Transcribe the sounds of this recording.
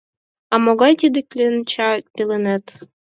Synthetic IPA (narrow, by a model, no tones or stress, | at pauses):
ɑmoɡɑjt̪ʲid̪ɘkʲlʲent͡ɕɑpʲelʲĕnet̪